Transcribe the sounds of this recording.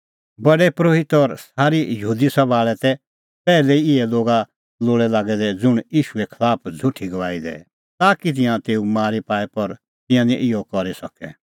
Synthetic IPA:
bɐɽɛpɾoːɦɪt̪ɔɾsaːɾijəɦuːd̪isɐbaːɭɛt̪ɛ | pɛːlɛiɪɛloːɡa | loːɭɛlaːɡɛd̪ɛd͡zʊɽ̃jiːʃuɛkʰɐlaːpʰd͡zʱʊʈʰːiɡɐʋaːid̪ɛ̰ | t̪aːkit̪̬ɪ̃jãt̪eːumaːɾipaːɛpɐɾ | t̪ɪ̃jãnĩʔɪjɔkɔɾisɐkɛ̰

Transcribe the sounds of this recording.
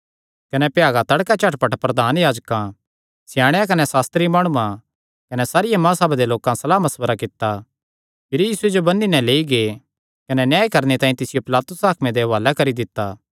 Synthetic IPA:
kɐnɛpjaːɡat̪ɐɽkat͡ʃɐʈpɐʈpɾɐd̪ʱaːnjaːd͡ʒkã | sɪjaːɽ̃jãkɐnɛsaːst̪ɾimaːɽ̃uã | kɐnɛsaːɾɪjãmãːsɐbd̪eloːkãsɐlaːmɐsbəɾakɪt̪ːa | pʰɪɾjiːsued͡ʒobɐnːinɛ̃leːiɡe | kɐnɛnjaːikɐɾnet̪ãːĩt̪ɪsɪjopɪlaːt̪ʊsaːkʰmẽd̪eʋaːlakɐɾid̪ɪt̪ːaː

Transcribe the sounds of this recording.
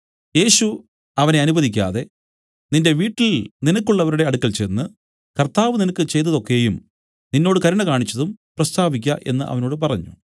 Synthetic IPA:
je̞ːɕu | ɐʋɐne̞ɐnubɐðikʲːa̰ːðe̞ | ninde̞ʋiːʈːilninɐkːuɭːɐʋɐɾuɽe̞ɐɽukːɐlt͡ɕenːɨ | kɐrt̪aːʋɨninɐkːɨt͡ɕe̞jt̪ːɐðo̞kːejum | ninːo̞ːɽɨkɐɾɐɳɐkaːɳit͡ɕːɐðumprɐst̪ʰaːʋikʲːɐʔe̞̰nːɨʔɐ̰ʋɐno̞ːɽɨp̬ɐrɐɲːṵ

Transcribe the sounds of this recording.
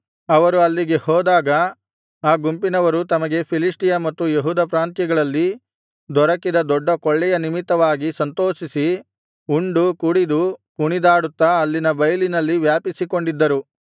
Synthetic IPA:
ɐʋɐɾuɐlːiɡe̞hɔːd̪aːɡɐ | aːɡumpinɐʋɐɾut̪ɐmɐɡe̞pʰilisʈijɐmɐt̪ːujeɦuːd̪ɐpɾaːnt̪jɐɡɐɭɐlːi | d̪ɔɾɐkid̪ɐd̪ɔɖːɐkɔɭːɛjɐnimit̪ːɐʋaːɡisɐnt̪oːʃisi | uɳɖukuɽid̪upuɳid̪aːɽut̪ːɐːlːinɐbɐjlinɐlːiʋjaːpisikoɳɖid̪ːɐɾu

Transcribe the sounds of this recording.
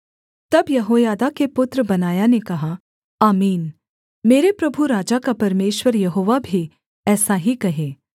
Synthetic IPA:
t̪ɐbjɐɦoːjaːd̪akepʊt̪ɾəbɐnaːjanekɐɦa | aːmiːn | meːɾepɾɐbʱuɾaːd͡ʒakapɐɾmeːʃwəɾjɐɦoːʋabʱi | ɛːsaɦikɐɦẽː

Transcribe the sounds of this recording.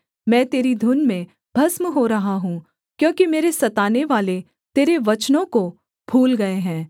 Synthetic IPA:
mɛ̃ːt̪eːɾid̪ʱʊnmẽ | b̥ʱɐsməɦoɾɐɦaɦũː | kjõːkimeːɾesɐt̪aːneʋaːle | t̪eːɾeʋɐt͡ʃnõko | bʱuːlɡɐeɦɛ̃ː

